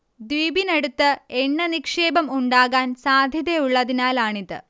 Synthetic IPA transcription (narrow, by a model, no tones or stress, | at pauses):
d̪ʋiːbineɽut̪ːɨeɳːɐnikʂeːbɐmuɳɖaːɣaːnsaːd̪ʱjɐðejuɭːɐðinaːlaːɳiðɨ̰